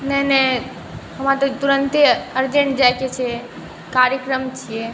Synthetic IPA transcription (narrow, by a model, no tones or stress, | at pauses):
nəɦnə | ɦəmat̪ɔt̪uɾənt̪eəɾd͡ʒẽɳʈd͡ʒajket͡ʃʰe | kaɾjəkɾəmt͡ʃʰije